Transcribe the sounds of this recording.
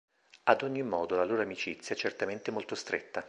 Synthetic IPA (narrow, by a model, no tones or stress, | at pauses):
ad̪oɲːimːɔːd̪olaloːɾoamit͡ʃit̪sːjaɛt͡ʃert̪ament̪emolt̪ost̪ɾḛt̪ːa